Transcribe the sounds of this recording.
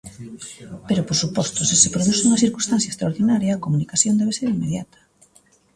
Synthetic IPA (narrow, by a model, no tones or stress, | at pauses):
peɾopoɾsupɔst̪osisepɾoðusuŋɐθiɾkũst̪an̟θjaest̪ɾaoɾðinaɾjaːkomunikaθjond̪ɛβeseɾimːeðjat̪ɐ̥